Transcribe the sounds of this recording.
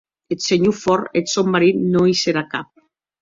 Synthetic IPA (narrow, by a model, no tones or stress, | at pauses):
et̪seɲufɔɾet̪somːaɾinnoiseɾakap̚